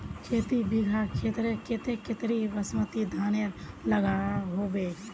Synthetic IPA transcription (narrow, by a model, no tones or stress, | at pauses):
kʰet̪ibiɡʱakʰet̪ɾekʰet̪eket̪ɾiʋəsmət̪id̪ʱaneɾ | ləɡaɦobe